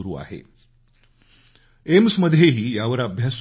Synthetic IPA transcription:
uɾṵːa̰ɦḛ | emsməd̪ʱjeɦiːjaʋəɾabʱjas

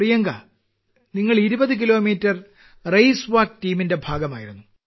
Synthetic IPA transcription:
rijɐŋɡa̰ː | niŋːɐɭiɾubɐðɨk̬ilo̞ːmiːtːɐr | rejsʋaːk̚tiːminde̞bʱaːɡɐmaːjiɾunːu

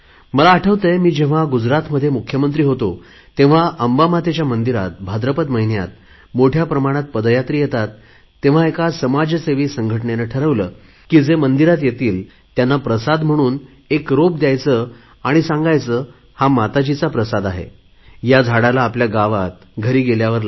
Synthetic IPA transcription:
məlaːʈʰəʋt̪əjmiːd͡ʑẽʋ̤aɡud͡zɾat̪məd̪ʱːjemukʰjəmənt̪ɾiːɦot̪o | t̪ẽʋ̤aʔəmbamat̪et͡ɕjamənd̪iɾa̰t̪̚bʱad̪ɾəpət̪məɦinja̰t̪̚ | moʈʰjapɾəmaɽ̃at̪̚pəd̪əjat̪ɾiːjet̪at̪ː | ẽʋ̤aekasəmad͡ʑəseʋiːsəŋɡʱəʈɳenəʈʰəɾəʋləː | kiːd͡zemənd̪iɾat̪jet̪iːl | t̪janːapɾəsad̪m̤əɽ̃uːn | ekɾop̚d̪jajt͡sə | aɽ̃isãŋɡajt͡səː | hamat̪at͡ɕit͡sapɾəsad̪aɦḛ | jad͡zʱaɽalaːpljaɡaʋat̪̚ɡʱəɾiːɡeljaʋəɾl

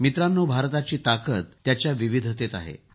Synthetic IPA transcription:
mit̪ɾanːuːbʱaɾt̪at͡ɕiːt̪akət̪ːjat͡ɕjaʋiʋid̪ʱət̪et̪a̰ɦḛ

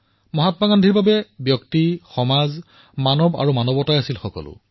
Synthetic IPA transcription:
mɔɦatmaɡandʱiɹbabɛbjɔktixɔmaz | manɔba̰ɹumanɔbɔtajasilxɔkɔ̰lʊ̰

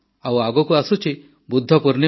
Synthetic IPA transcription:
awaɡɔkuasut͡ʃʰi | bud̪ʱːɔpuɾni

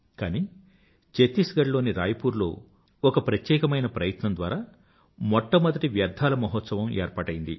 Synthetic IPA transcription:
kaːniː | t͡ʃet̪isɡɐɽlo̞ːniɾaːjɐpuːɾlo̞̰ː | ɔkɐpɾɐt̪jɛːkɐmɐjnɐpɾɐjɐt̪nɐmnd̪ʋaːɾaː | mɔʈːɐmɐd̪ɐʈiʋjɐɾd̪ʱaːlɐmɐɦɔt̪sɐʋɐmeːɾpaːʈɐjind̪ḭ

